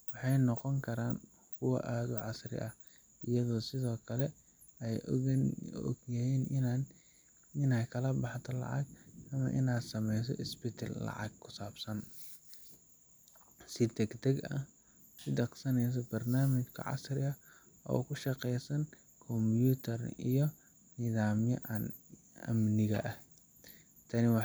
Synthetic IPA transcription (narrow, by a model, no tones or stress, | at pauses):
wɑħɑjnɔqɔŋkʰɐɾaːn | kʰʊwɐ̰ʔaːðʊʕɑsrɪ̰ʔɐh | ɪjɐðɔːsɪðɔːkʰɐlɛ | ɛj | ɔ̰ɡjajɛːn | ɪnɛjkʰɐlɐbɑħt̪ʰɔlɑ̰ʕɑ̰ɡɐmɐ̰ʔɪnaːd̪sɐmɛjs̬ɔ̰ʔɪsbɪt̪ʰɐ̰lːɑ̰ʕɑ̰ɡkʰʊsaːbsɐn | sɪt̪ɛɡt̪ʰɐɡɐ̰ | sɪd̪ɐqsɐnɛjs̬ɔbɐrnaːmɪt͡ʃkʰɐ̰ʕɑ̰srɪɐ | ʔɔ̰ːkʰʊʃɑqɛjsɐn | kʰɔmjuːt̪ʰɐrḭjɔ | niːðaːmjɔ̰ʔɐn | ɐ̰mnɪɣɐ̰ʔɐh | t̪ʰɐnɪwɑ